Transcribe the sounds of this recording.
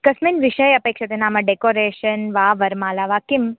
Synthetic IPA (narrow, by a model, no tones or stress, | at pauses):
kɐsminʋiʃəjɐpeːkʃɐt̪enaːmɐɖekoːɾeːʃənʋaːʋɐɾmaːlaʋaːkim